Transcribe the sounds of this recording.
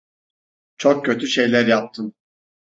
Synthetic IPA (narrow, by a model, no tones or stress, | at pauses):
t͡ʃʰok̚cʰːø̞t̪ʰyʃe̞jlʲæɾjap̚t̪ʰɯm